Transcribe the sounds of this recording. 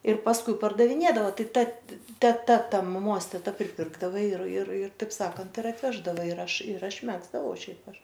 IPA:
ɪr pɐsˈkʊɪ pɐrdɐʋʲɪˈnʲeːdɐʋɐ ˈtɐɪ ˈtɐ tʲɛˈtɐ ˈtɐ mɐˈmoːs tʲɛˈtɐ pʲrʲɪˈpʲɪrɡdɐʋɐ ɪr ɪr ɪr tɐɪp ˈsɑːkɐnt ɪr ɐtʲˈʋʲæːʒdɐʋɐ ɪr ˈɐʃ ɪr ˈɐʃ ˈmʲæːɡzdɐʋɐʊ ˈʃʲɛɪp ˈɐʃ

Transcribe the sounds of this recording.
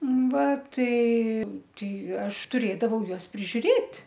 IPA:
ˈʋɐ ˈtɐɪ ˈtɐɪ ˈɐʃ tʊˈrʲeːdɐʋɐʊ ˈjuɔs pʲrʲɪʒʲʊˈrʲeːtʲ

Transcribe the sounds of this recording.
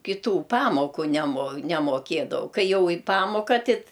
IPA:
kʲɪˈtuː ˈpɑːmoːkʊ nʲɛmoː nʲɛmoːˈkʲeːdɐʋɐʊ ˈkɐɪ ˈjɛʊ ɪ ˈpɑːmoːkɐ ˈtʲɪt

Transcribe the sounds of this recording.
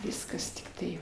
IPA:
ˈʋʲɪskɐs tʲɪkˈtɐɪ

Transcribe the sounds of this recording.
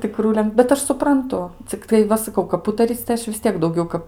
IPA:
tʲɪˈkruː lʲɛn bʲɛt ˈɐʃ sʊprɐnˈtʊ t͡sʲɪkˈtɐɪ ˈʋɐ sɐˈkɐʊ kɐp ˈuːtɐrʲiːt͡s tɐɪ ˈɐʃ ʋʲɪs ˈtʲiɛk dɐʊˈɡʲɛʊ kɐp

